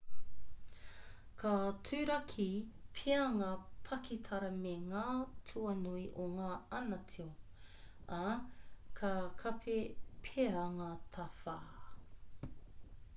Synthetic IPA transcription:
kʰatʰʉːɾɐkʰipʰeɐŋɐpʰɐkitʰɐɾɐmeŋaːtʰuɐnuiʔoŋaːɐnɐtʰio | a | kʰakʰɐpʰepʰeɐŋɐt̪ʰɐfaː

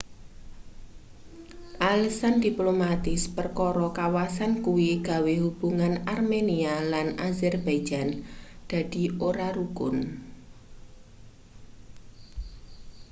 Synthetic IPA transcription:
ʔalisand̪iplomat̪ɪspərkɔɾɔkawasankuwiɡ̥a̤wehub̥uŋanarmenialanazɛrb̥ḁd͡ʒ̥and̪̥a̤d̪̥i̤oɾaɾukʊn

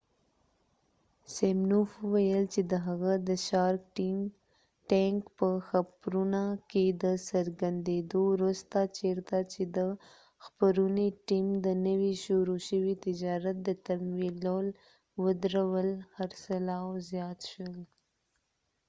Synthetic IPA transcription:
semnufəwajəlt͡ʃed̪əɦaɣad̪əʃɑɾkim | ʈaŋkpəxapɾunaked̪əsəɾɡand̪ed̪owɾust̪at͡ʃeɾt̪at͡ʃed̪ə | xpəɾuniʈimd̪ənəwiʃoɾoʃəwit̪ɪd͡ʒɑɾat̪̚d̪ət̪amwilol | wəd̪ɾawəlhaɾsalɑwzjɑt̪ʃwəl

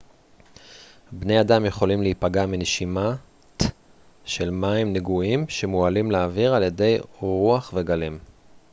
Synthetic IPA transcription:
bne̞jadamje̞χo̞limleipaɡamineʃima | ʃe̞lmaimneɡuimʃe̞mualimleːviʁalje̞de̞jʁuaχve̞ɡalim

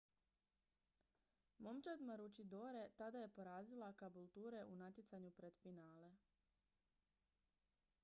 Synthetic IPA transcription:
mo̞mt͡ʃad̪maɾut͡ʃid̪oːɾe̞t̪ad̪aje̞po̞ɾaːzilˠakabulˠt̪uːɾe̞ʔunat̪jet̪saɲupɾe̞d̪̥finaːle̞

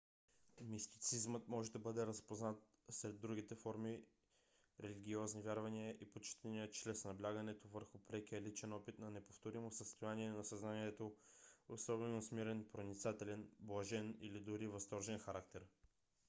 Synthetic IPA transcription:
mist̪i̥t̪sizmət̪mɔʒɛd̪ɐbɤd̪ɛɾɐspoznat̪ | sɾɛd̪ːɾuɡ̟it̪ɛfɔɾmi | ɾɛliɡʲiɔznivʲjaɾvɐniəʔipot͡ʃi̥t̪ɛniət͡ʃɾɛsnɐblʲaɡɐnɛt̪ovəɾxʊpɾɛk̟iəlit͡ʃɛnɔpit̪nɐnɛpoft̪oɾimosəst̪ojaniɛnɐsɐznaniɛt̪oosɔbɛnosmiɾɛnpɾonit̪sat̪ɛlɛnblˠɐʒɛnḭlid̪ʊɾivɐst̪ɔɾʒɛnxɐɾakt̪ɛɾ

